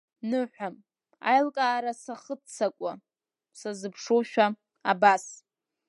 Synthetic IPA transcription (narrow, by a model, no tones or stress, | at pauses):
nɨħʷᶣam | a̰jlkʼaːɾasaχət͡sʰakʷʼa | sazɨpʰʂoʃᶣa | abas